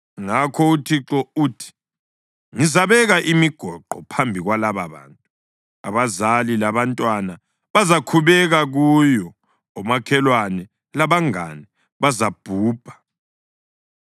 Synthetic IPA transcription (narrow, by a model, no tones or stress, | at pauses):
ŋakʰɔutʰiǁɔuːtʰi̥ | ŋizaβɛɣaʔimiɡ̥ʱɔǃɔ̰pʰambʱiɣwalaβaβa̰ːntʼu | a̰βazalilaβantʼwana | βazakʰuβɛɣaɣujɔ | ɔmakʰɛlwanɛ | laβaŋa̰nɛ | βazab̥ʱuːb̥ʱḁ